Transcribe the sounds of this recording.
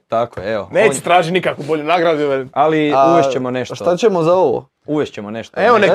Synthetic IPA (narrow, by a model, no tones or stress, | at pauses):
t̪akojeeoneːst̪ɾaːʒit̪nikakʋuboʎunaɡɾad̪uʋealiauʋeʃt͡ɕemoneʃtʃt̪t̪at͡ɕemo̞zaoʋo̰ | uʋeʃt͡ɕemoneʃt̪oeʋone